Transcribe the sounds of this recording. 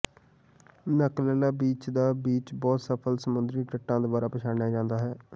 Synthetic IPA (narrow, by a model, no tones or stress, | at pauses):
nəklɛːlaːbiːt͡ʃd̪aːbiːt͡ʃbɔːt̪səpʰəlsəmʊnd̪ɾiːʈəʈːãːd̪obaːɾaːpət͡ʃʰaːɽjaːd͡ʒãːnd̪aːɦɛː